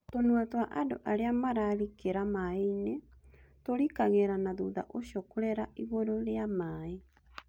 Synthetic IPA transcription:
tonuatwaʔado̰ʔaɾeamaɾaɾikeɾamaeinetoɾikaɣɛɾanaðṵða̰ʔoʃokoɾɛɾaʔiɣoɾoɾeamaːe

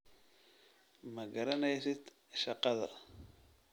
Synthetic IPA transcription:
mɐɡɐɾɐnɛjsɪd̪ | ʃɑqɑðɐ̰

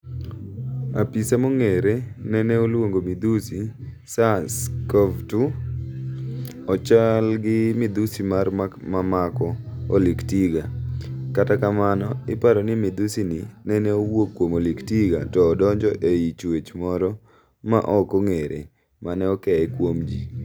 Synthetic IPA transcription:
a̰pisamoŋeɾenɛnɛolwoŋɡomid̪usi | saskɔvtu | ɔt͡ʃalɡɪmɪd̪usimarmamamakɔoliktiɡakatakamanɔɪpaɾɔnɪmɪd̪usinɪnɛnɛowokːwomoliktiɡa̰tɔːdɔɲd͡ʒɔʔeit͡ʃwet͡ʃmɔɾɔ | ma̰ʔɔkoŋeɾḛ | manɛɔkɛɛkwomd͡ʒi

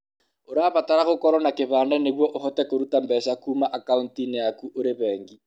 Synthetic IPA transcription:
oɾaβataɾaɣokɔɾɔnakeβaːndaneɣwɔʔoɦɔtɛkoɾutambɛsakuːmaʔakauntineakuʔoɾeβɛːŋɡi

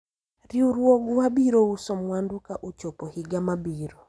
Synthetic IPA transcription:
riuɾwɔɡwabiɾousɔmwandʊkaʔut͡ʃɔpɔhiɡamabiɾɔ

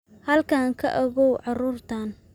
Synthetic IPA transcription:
hɐlkʰaːŋkʰɐ̰ʔɔɣɔwʕɑruːrt̪ʰan

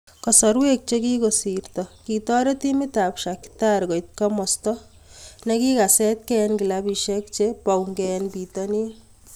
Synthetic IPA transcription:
kɔsɔɾwek̚t͡ʃekikosiɾt̪ɔkit̪ɔɾet̪imɪt̪apʃaki̥t̪aɾkɔjt̪̚kɔmɔst̪ɔ | nekikasɛt̪̚kɛnkilabiʃek̚t͡ʃepawŋɡɛnpit̪ɔni

